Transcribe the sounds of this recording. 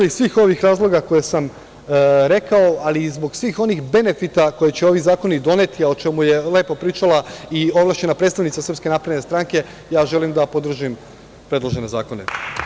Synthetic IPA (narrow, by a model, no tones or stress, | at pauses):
isʋiːxo̞ʋixɾaːzlˠo̞ɡako̞jesam | ɾe̞kao̞alizbo̞ɡsʋiːxo̞nixbe̞ne̞fit̪ako̞jet͡ɕe̞o̞ʋizaːko̞nid̪o̞ne̞t̪iaot͡ʃe̞muje̞le̞ːpo̞pɾiːt͡ʃalˠaio̞ʋlˠaːʃt͡ɕe̞napɾet̪t̪aʋnit̪sasr̩pske̞napɾad̪nest̪ɾaŋke̞ | jaːʒe̞limd̪apo̞d̪r̩ʒim | pɾe̞d̪lo̞ʒe̞ne̞za̰ːko̞ne̞̰